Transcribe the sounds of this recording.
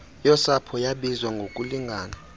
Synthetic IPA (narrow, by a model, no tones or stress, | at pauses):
jɔsapʰɔjaɓizwaŋɡʱokʼuliŋɡʱaːna